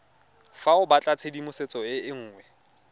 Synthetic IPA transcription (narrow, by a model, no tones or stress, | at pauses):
faʊbat͡ɬʼat͡sʰedimʊset͡sʼɔɪɪŋ̩ːŋwɛ